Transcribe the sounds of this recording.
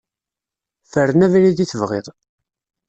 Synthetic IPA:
fəɾnævliðiθəvʁɪ̰ðˤ

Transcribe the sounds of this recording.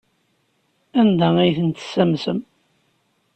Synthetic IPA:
ænd̪ææjθənt̪ə̥sːæmsəm

